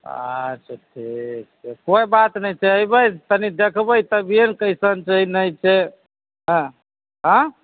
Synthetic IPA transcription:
a̰t͡ʃʰaʈʰik̚t͡ʃʰɛkoibat̪nəjt͡ʃʰɛəjbəjt̪ənid̪ekʰbəjt̪əbiənkəjsənt͡ʃəɦinəjt͡ʃʰɛ | ɦə̃ | ɦə̃

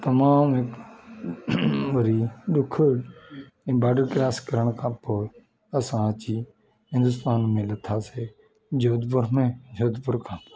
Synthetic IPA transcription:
t̪əmãːmek | ʋəɾiːɗʊkʰəɽ | ẽːbaːɖəɾkɾaːskəɾəɳ̃kʰãːpoː | əsãːət͡ʃiː | ɦɪ̃nd̪ʊst̪aːnmẽːlət̪ʰaːseː | d͡ʒoːd̪pʊɾmẽːd͡ʒoːd̪pʊɾkʰãːpo

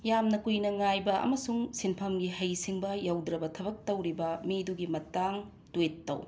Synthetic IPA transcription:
jamnɐkujnɐŋajbɐʔɐ̰mɐsuŋsinpʰɐmɡiɦɐjsiŋbɐjawdɾɐbɐtʰɐbɐk̚tɐwɾibɐmiduɡimɐtaŋ | twetːɐ̰w

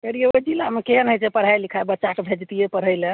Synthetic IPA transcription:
eɾijeod͡ʒilamekeɦənɦət͡ʃepəɽ̤ajlikʰabətːʃakebʱed͡ʒt̪ijepəɽ̤ɦəjle

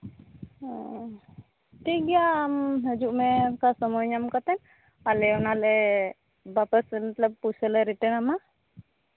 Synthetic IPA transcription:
ʈiɡijaːmɦəd͡ʒuʔmɛkasɔmɔjɲamkat̪ɛn | alɛɔnalɛ | bapəsnət̪ləb̚pusɛlɛɾiʈənama

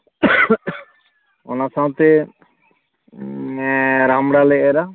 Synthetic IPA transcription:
ɔ̰nasãw̃t̪ɛ | ɾamɽalɛɛɾa

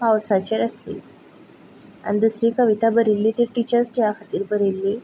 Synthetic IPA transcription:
pawsat͡ɕeɾəslḭ | a̰nid̪usɾiːkəʋit̪abəɾilːiːt̪iʈit͡ɕəɾsʈiakʰat̪iːɾbəɾilːiː

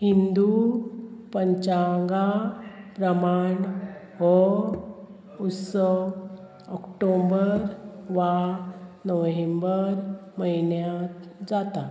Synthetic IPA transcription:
hind̪u | pəɲt͡ɕaŋɡapɾəmaɳ | ʋɔ | ut̪sə | ɔkʈombəɾʋanəʋɦembəɾməinjat̪d͡zat̪a

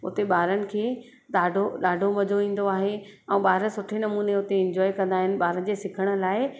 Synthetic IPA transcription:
ʊt̪eɓaːɾənɪ̆kʰeː | ɗaːɖʱoɗaːɖʱomɐd͡ʑʱoĩːn̆d̪oaːɦe | ɛ̃ːɓaːɾəsʊʈʰenɐmuːneʊt̪eɪ̃ɲd͡ʑɔːikɐ̃nd̪aːɦɪnɪ̆ɓaːɾənɪ̆d͡ʑeːsɪkʰəɽ̃ʊ̆laːɪ

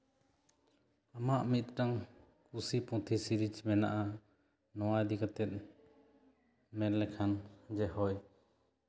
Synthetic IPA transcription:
amaʔmit̪̚ʈaŋ | kusipɔ̃t̪ʰisiɾid͡ʒmɛna̰ʔa | nɔwad̪ikat̪ɛt̪̚ˀ | mɛɾlɛkʰand͡ʒɛhɔj

